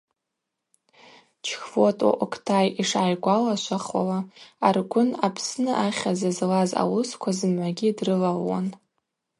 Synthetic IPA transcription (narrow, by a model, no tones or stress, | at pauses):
t͡ʃʰxvotʼa̰ʔokʰtʰajiʂaːjɡʷalaʃʷaχwa̰laarɡʷʊnapʰsnɨʔaχʲazazlaza̰wʊskʷʰazɨmʕʷaɡʲidrɨlalwa̰n